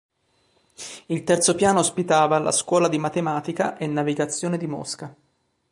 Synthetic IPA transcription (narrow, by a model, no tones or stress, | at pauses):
ilt̪ɛrt̪sopjaːnoːspit̪aːvala̰skwɔːlad̪imat̪emaːt̪ikaʔenːaviɡat̪sːjoːned̪imo̰ska